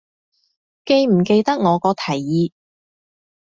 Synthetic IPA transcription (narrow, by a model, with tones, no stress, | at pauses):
ke˧jm̩˨˩ke˧jt̪ɐ˥k̚ŋɔː˨˧kɔː˧t̪ʰɐ˨˩jːiː˨˧